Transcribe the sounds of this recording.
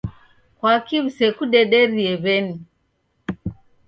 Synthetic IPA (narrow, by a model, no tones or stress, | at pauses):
kwakiβusɛkuɗɛɗɛɾiɛβɛni